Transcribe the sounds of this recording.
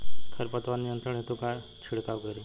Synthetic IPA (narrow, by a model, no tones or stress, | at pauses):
kʰəɾpət̪ʋanːijənt̪ɾəɳ̃ɦet̪uka | t͡ʃʰiɽkaɡʱəɾi